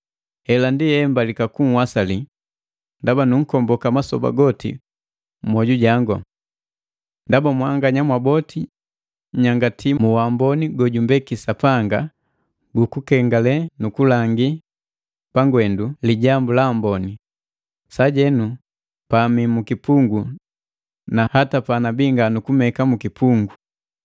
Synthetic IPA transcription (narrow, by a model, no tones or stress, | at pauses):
ɛlandihɛmbalikakuŋ̩wasali | ndabanuŋ̩kɔmbɔkamasɔ̰ba̰ɡɔtḭ | m̩mwɔɟuɟaŋɡɔ | ndabamwaŋɡaɲamwabɔtʰi | ɲaŋɡatʰimuwambɔniɡɔɟumbɛkisapaŋɡa | ɡukukɛŋɡalɛnukulaŋɡi | paŋɡwɛnduliɟambulambɔni | saɟɛnu | pamimukipuŋɡu | nahatapanabiŋɡanukumɛkamukipuŋɡu